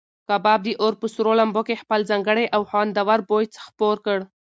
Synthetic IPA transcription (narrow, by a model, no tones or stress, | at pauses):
kɑbɑb̚d̪əʔoɾpəsɾolambokexpəlzɑŋɡəɽajʔawxɑnd̪awaɾbojt͡sxpoɾkəɽ